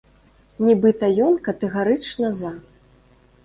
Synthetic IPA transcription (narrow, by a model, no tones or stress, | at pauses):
nʲɛbɨt̪ɐjɔnkɐt̪ɛɣaɾɨt͡ʂnɐza